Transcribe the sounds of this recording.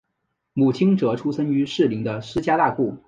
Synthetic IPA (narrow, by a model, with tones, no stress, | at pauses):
mu˨˩t͡ɕʰi˥ŋʈ͡ʂɤ˧˥ʈ͡ʂʰu˥sə˥ŋy˧˥ʂɻ̩˥˩li˧˥ŋd̪ə˧ʂɹ̩˥t͡ɕja˥t̪a˥˧ku˥˩